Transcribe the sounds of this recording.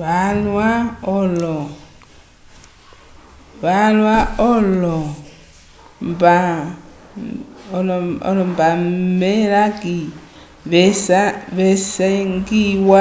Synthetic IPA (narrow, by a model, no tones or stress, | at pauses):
βalwaɔlɔ | βalwaɔlɔ | mba | lɔɔ̰lɔmbameɾaki | βɛsaβɛsaŋɡiwa